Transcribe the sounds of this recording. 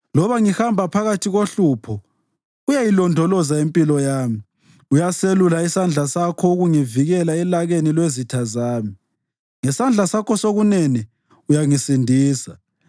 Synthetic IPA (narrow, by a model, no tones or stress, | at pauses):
lɔβaŋihambʱapʰaɣatʰiɣoɬuːpʰɔ | ɣujajilɔndʱɔlɔzaempʼilɔjaːmi | ujaselulaisand͡ɮʱasakʰɔuɣuŋiviɣɛlaɛlaɣenilwezitʰazaːmi | ŋɛsand͡ɮʱasakʰɔsoɣunɛnɛ | ujaŋisindʱiːsa